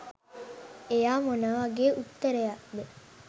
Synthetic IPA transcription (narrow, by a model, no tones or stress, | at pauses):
ejaːmonəʋaɡeːʔut̪ːəɾejaʔd̪e